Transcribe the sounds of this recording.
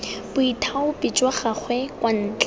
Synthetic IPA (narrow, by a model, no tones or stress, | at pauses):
bʊitʰaʊpɪt͡ʃʼwaχaχʰwɛkʼwan̩ːt͡ɬʼ